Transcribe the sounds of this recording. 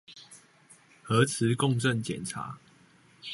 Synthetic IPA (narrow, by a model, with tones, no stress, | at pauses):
hɤ˨˦t͡s̩ʰ˨˦kɔ˥˨ŋʈ͡ʂə˥˨nt͡ɕjɛ˨˩nt͡sʰa̰˨˦